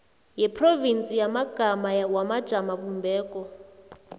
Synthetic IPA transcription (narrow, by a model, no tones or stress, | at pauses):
jɛpʰrovint͡sʼijamaɡ̥ʱamawamad̥ʒ̥ʱamaβumbɛːkʼɔ